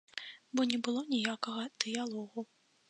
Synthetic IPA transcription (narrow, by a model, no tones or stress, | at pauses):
bɔnʲɛbɨlˠɔnʲijakɐɣɐd̪̥ɨjalˠɔɣu